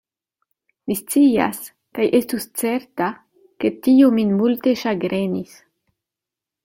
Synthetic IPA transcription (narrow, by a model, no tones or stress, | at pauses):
mist͡sia̰s | kajʔestust͡seɾta | ke̞tiominmulte̞ʃaɡɾenis